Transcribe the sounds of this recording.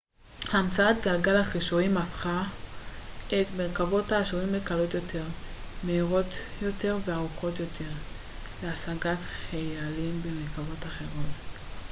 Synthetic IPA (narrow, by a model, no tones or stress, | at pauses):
haːmt͡saat̪ɡalɡalhaχiʃoimafχa | ʔet̪meʁkavo̞thaːʃiʁimːekalo̞t̪jo̞tʰe̞ʁmehiʁo̞t̪jo̞te̞ʁveaʁuko̞t̪jo̞tʰe̞ʁ | leasaɡatχajalimbemelkavo̞taχe̞ʁo̞t